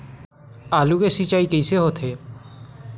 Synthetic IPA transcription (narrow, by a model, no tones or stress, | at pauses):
alukesit͡ʃajkejseɦot̪ʰe